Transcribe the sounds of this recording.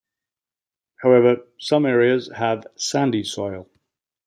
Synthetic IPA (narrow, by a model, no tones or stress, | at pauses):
haʊɛvəsʌ̃mɛːɹiəz̥əv̥sæ̃ndisɔɪlˠ